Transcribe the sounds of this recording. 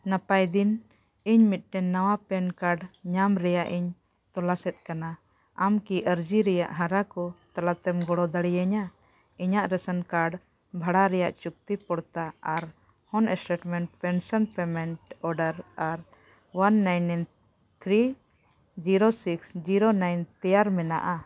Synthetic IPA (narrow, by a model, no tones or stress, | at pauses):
napajd̪in | iɲmit̪̚ʈɛnnːawapɛnkaɾɖɲamɾɛjaʔiɲ | t̪ɔlasɛt̪̚kana | amkiʔəɾd͡ʒiɾɛja̰ʔɦaɾakɔt̪alat̪ɛmɡɔɽɔd̪aɽijaɲa | iɲaʔɾɛsənkaɾɖ | bʱaɽaɾɛjaʔt͡ʃuk̚t̪ipɔɽt̪aaɾ | hɔnɛsʈeʈmɛɳʈpɛnsɔnpɛmɛɳʈɔɾɖəɾaɾ | wanːajnːn | t̪ʰɾi | d͡ʒiɾosiksd͡ʒiɾonajnt̪ɛjaɾmɛnaʔa